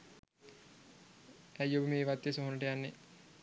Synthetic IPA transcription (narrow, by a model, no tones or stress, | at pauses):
æjːobəmeːʋat̪ːjesoɦonəʈəjanːe